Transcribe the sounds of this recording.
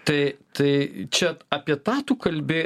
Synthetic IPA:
t̪ɐɪt̪ɐɪt͡ʃʲɛɐpʲiɛt̪ɑːt̪uːkɐlʲbʲɪ

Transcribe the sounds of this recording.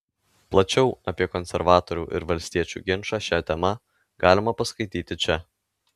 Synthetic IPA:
plˠɐt͡ʃʲɛʊɐpʲiɛkɔnʲsʲɛɾʋɑːt̪ɔɾʲṵːʔɪ̰ɾʋɐlʲsʲt̪ʲiɛt͡ʃʲṵːɡʲɪnʃɑːʃʲæt̪ʲɛmɐ | ɡɑːlʲɪmɐpɐskɐɪt̪ʲiːt̪ʲɪt͡ʃʲɛ

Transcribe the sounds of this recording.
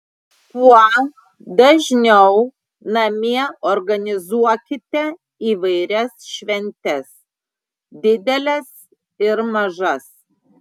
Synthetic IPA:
kuɔ | d̪ɐʒʲnʲɛʊ | nɐmʲiɛɔɾɡɐnʲɪzuɔkʲɪt̪ʲɛ | iːʋɐɪɾʲɛsʃʲʋʲɛnʲt̪ʲɛs | d̪ʲɪd̪ʲɛlʲɛs | ɪɾmɐʒɐs

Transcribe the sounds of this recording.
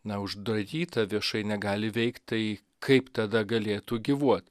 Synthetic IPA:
nɐʊʒd̪ɾɐdʲiːt̪ɐʋʲiɛʃɐɪnʲɛɡɑːlʲɪʋʲɛɪkt̪t̪ɐɪ | kʰɐɪpt̪ɐd̪ɐɡɐlʲeːt̪uːɡʲiʋuɔt̪

